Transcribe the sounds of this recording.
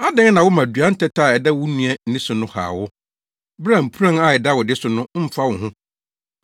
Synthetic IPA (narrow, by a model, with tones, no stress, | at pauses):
a˦dɪ̃˦ŋ˦nã˨wʊ˦mã˨dɥa˦n̩˦tʰɛ˦tʰa˦˨ɛ˨dɛ˦wʊ˦nũ˨ɛ˦n̩˦nĩ˦sʊ˨nʊ̃˦ha̰ː˨wʊ˦ | bɾa˨m̩˨pʰu˦ɾã˦ŋa˨ɛ˨da˦wʊ˨dɪ˦sʊ˨nʊ̃˦m̩˦fa˦wʊ̃˨hʊ̃˦